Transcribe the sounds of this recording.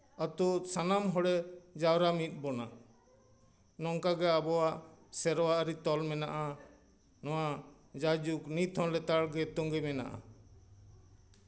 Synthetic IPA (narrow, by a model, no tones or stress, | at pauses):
at̪usanamɦɔɽɛd͡ʒawɾamit̪̚ˀbɔna | nɔŋkaɡɛabɔwaʔsɛɾɔwaʔɾit̪ɔlmɛnaʔa | nɔwa | d͡ʒad͡ʒuknit̪ʰɔ̃lɛt̪aɽɡɛt̪ɔŋɡɛmɛna̰ʔa̰